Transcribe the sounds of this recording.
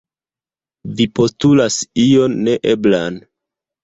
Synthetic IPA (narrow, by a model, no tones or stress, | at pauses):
vipo̞stulasio̞nːe̞ʔeblan